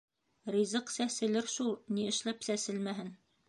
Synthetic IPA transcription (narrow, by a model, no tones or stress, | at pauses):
rizɤqsæsɘ̆lɘɾʃulˠniɘ̆ʃlæpsæsɘlmæɦɘn